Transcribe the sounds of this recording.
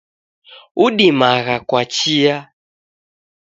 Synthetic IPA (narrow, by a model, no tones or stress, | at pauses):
uɗimaɣakwat͡ʃija